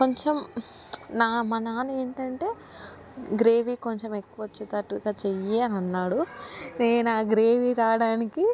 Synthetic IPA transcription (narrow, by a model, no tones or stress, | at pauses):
ko̞ɲt͡ʃem | naːmɐnaːnueːɳʈɐɳʈe̞ː | ɡɾe̞ːʋikoɲt͡ʃemekːuʋɐt͡ʃːet̪ɐʈuɡaːt͡ʃe̞jeɐniɐnːaːɽuneːnnaːɡɾe̞ːʋiɾaːɽaːniki